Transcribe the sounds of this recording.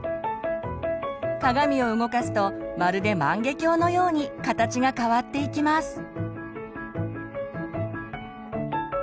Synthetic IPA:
k̪aɡamʲio̞ɯ̟ɡo̞kasɨ̥t̪o̞maɾɯ̟d̪e̞mãŋɡe̞kʲo̞ːno̞jo̞ːɲ̟ikat̪at͡ɕiɡakaβat̪ːe̞ikʲimasɨ̥

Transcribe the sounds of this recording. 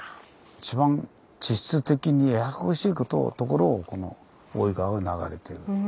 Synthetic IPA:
it͡ɕibãn | t͡ɕiɕi̥t͡sɨt̪e̞kʲiɲ̟iejakɯhoɕiːko̞t̪o̰t̪o̞ko̞ɾo̞ːko̞no̞̰ | oiɡaɡanaɡa̰ɾe̞t̪e̞ɾɯ

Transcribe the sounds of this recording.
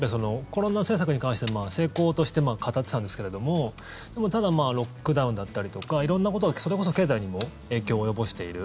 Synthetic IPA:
pːeso̞no̞ko̞ɾo̞nase̞ːs̬akɯ̟ɲ̟ikãɰ̃ɕi̥t̪emaːse̞ːko̞ːt̪o̞ɕi̥t̪e̞maːkʰat̪at͡sɨ̥t̪ãnd̪eske̞ɾed̪o̞mo̞ | d̪̥e̞mo̞t̪ad̪amaːɾo̞kːɯ̟d̪aɯ̟̃nd̪at̪ːaɾʲit̪o̞kaiɾõ̞nːako̞t̪oɡaso̞ɾe̞ko̞s̬o̞ke̞ːzaiɲ̟imo̞ | e̞ːkʲo̞ːjo̞bo̞ɕi̥t̪e̞iɾɯ̟

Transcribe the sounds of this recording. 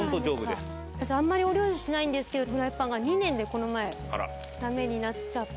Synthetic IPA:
ont̪od͡ʑo̞ːbɯdesɨ̥ | aɕaãmːaɾʲio̞ɾʲo̞ːʑiɕinaĩnd̪e̞sɨ̥ke̞d̪omɯ̟ɾaipːãŋɡaɲ̟inẽ̞nd̪e̞ko̞no̞mae̞ha̰ɾa̰ | t̪ame̞ɲ̟inat͡ɕa

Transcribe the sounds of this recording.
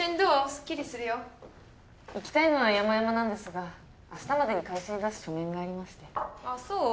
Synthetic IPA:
ɨ̃nd̪osɨ̥kʲːiɾʲisɨɾɯ̟jo | ikʲi̥t̪aino̞βajamajamanãnd̪e̞sɨɡaː | sɨ̥t̪amad̪e̞ɲ̟ikaiɕiːd̪asɨ̥ɕomẽ̞ŋɡaːɾʲimaɕi̥t̪e̞asoː

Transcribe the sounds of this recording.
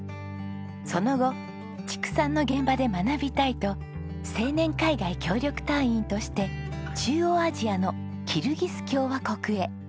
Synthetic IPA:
so̞no̞ɡo̞ | t͡ɕi̥kɯ̟̥sãnːo̞ɡẽ̞mbad̪e̞manabʲit̪ait̪o̞ | se̞ːnẽ̞ŋkaiɡaikʲo̞ːɾʲo̞kɯ̟̥t̪ãɰ̃ĩnt̪o̞ɕi̥t̪e̞t͡ɕɨːoːaʑiano̞ | kʲʰiɾɯ̟ɡʲisɨ̥kʲo̞ːβako̞kɯ̟e̞

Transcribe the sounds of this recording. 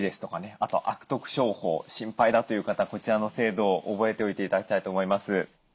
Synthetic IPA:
d̪e̞sɨ̥t̪o̞kane̞at̪o̞̰ʔakɯ̥t̪o̞kɯ̟̥ɕo̞ːho̞̰ːɕĩmpaid̪at̪o̞jɯ̟ːkat̪ako̞t͡ɕiɾano̞se̞ːd̪o̞ːʔobo̞e̞t̪e̞o̞it̪e̞it̪ad̪akʲi̥t̪ait̪oːmo̞imasɨ

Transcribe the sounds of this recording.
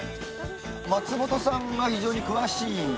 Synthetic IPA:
mat͡sɨmo̞t̪o̞sãŋɡaçiʑo̞ːɲ̟ikɯ̟βaɕĩːn

